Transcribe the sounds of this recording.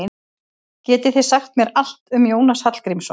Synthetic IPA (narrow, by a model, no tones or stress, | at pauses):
cɛːt̪ɪθɪ̥saxt̪mjɛɾal̥t̪ʏmjoːwnashat̪l̥kɾimsɔ